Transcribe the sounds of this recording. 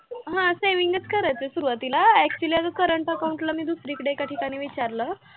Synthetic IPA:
ɦãseʋiŋɡət͡skʰəɾajt͡sesuɾʋat̪ilaɛk̚t͡ɕuliaɡəkəɾəɳʈəkaw̃ɳʈlamiːd̪usɾikəɽekaʈʰikaɽ̃iːʋit͡ɕaɾlə

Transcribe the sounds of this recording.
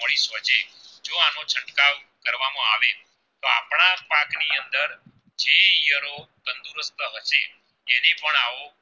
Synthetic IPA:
mɔɭisɦəd͡ʒed͡ʒoanõt͡ʃʰəɳʈkaʋkəɾʋamãaʋe | t̪oapɳapakniənd̪əɾ | d͡ʒeijəɾokənd̪uɾəst̪əɦəʃeː | nepəɳao

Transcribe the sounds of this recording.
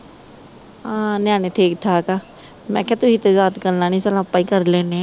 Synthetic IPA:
ãːnjaːneːʈʰeːkʈʰaːkaː | mɛ̰̃ːkaːt̪ʊɦiːt̪eːzaːt̪kəɾnaːnĩːsəlãːpːaːiːkəɾleːneː

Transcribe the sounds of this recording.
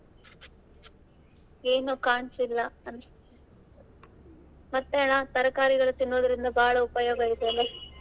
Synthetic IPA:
eːnːokaːɳsilːɐɐn | mɐt̪ːeːɳaːt̪ɐɾɐkːaːɾiɣɐɭet̪ːinːoːðiɾund̪ɐbaːɭɐupːɐjoːbɐɾit̪ːemɐ

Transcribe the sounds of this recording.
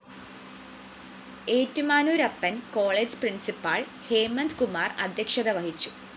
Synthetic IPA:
e̞ːtːumaːnuːɾɐpːɐnkoːɭeːd͡ʑprinsipːaːɭ | heːmɐnd̪kumaːrɐ̰d̪ʱjɐkʂɐðɐʋɐhit͡ɕːu̥

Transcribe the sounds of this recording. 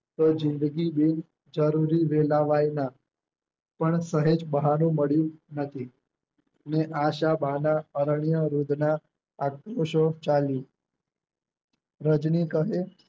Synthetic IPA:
t̪od͡ʒɪnd̪əɡibin | d͡ʒəɾuɾiʋelaʋajna | pəɳsəɦed͡ʒbəɦanũməɭjũnət̪ʰi | neʔaʃabanaəɾɳ̃ijəɾud̪na | akɾoʃot͡ʃali | ɾəd͡ʒnikəɦe

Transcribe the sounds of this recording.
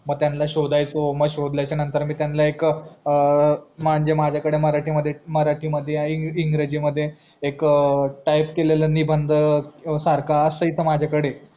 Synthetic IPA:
məɡ̚t̪janlaɕod̪ajt͡soməɡɕod̪ljajt͡ɕanənt̪əɾmiːt̪janlaekəmaɲd͡ʑemad͡ʑʱjakəɽeməɾaʈʰiːməd̪ʱːjeməɾaʈʰiːməd̪ʱːjeiiŋɡɾəd͡ʑiːməd̪ʱːjeː | kʈajpkelelənibʱənd̪ʱəsaɾkaəsəit̪ʰəmad͡ʑʱjakəɽe

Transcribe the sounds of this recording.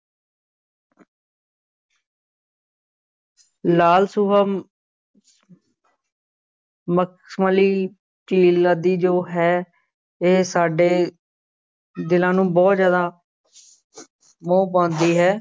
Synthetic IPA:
laːlsuːɦa | mək | sməliː | ʈiːlaːd̪iːd͡ʒoːɦɛː | eːsaːɖeː | d̪ɪlãːnũːbɔːt̪zjaːd̪aː | mõːpãːnd̪iːɦɛː

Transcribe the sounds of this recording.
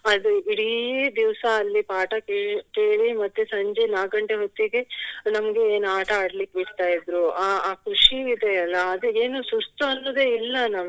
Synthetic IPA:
ɐd̪uiɽid̪iʋsɐɐlːipaːʈɐkekeːɭimɐt̪ːusɐɲd͡ʒenaːɡɐɳʈeɦot̪ːiɡe̞nɐmɐɡe̞eːnaːʈɐaːɽlikːebiʈt̪aːjid̪ɾuaaːkɾuʂiid̪eɐlːɐːd̪ueːnusust̪uɐnːod̪eːilːɐnaːm

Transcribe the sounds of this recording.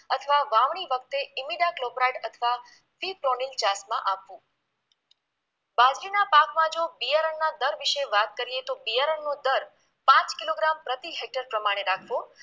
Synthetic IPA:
ət̪ʰəʋaʋaʋɳ̃iʋək̚t̪eimiɖaklobɾajɖət̪ʰəʋa | fipɾonilt͡ʃasmã̰ʔapʋũ | bãd͡ʒlinapakmãd͡ʒobijaɾəɳnad̪əɾʋiʃeʋat̪̚kəɾiet̪obijaɾəɳːod̪əɾ | pãt͡ʃkiloɡɾampɾət̪iɦek̚ʈəɾpɾəmaɽ̃eɾakʰʋo

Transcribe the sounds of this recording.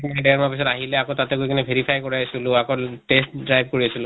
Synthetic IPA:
knaɛdɛɹmapis̬ɔtaɦilɛakotatɛkujkʰanɛbʱeɹipʰajkɔɹajasulʊakɔtestdɹajb̚ʱkoɹiasulʊ

